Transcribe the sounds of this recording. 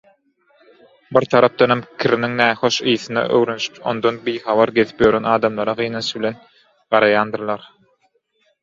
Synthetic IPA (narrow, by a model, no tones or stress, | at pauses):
biɾt̪ʰɑɾɑp̚d̪ɑnɑmkʲʰiɾiniŋnæːxo̞ʃɯjθɯnɑ̰ʔø̰wɾønyʃy̥po̞nd̪onbijxɑβɑɾɡe̞θi̥pjøɾenɑːd̪ɑmlˠɑɾɑʁɯjnɑnʃɯβbilʲe̞n | ɢɑɾɑjɑːnd̪ɯɾlˠɑɾ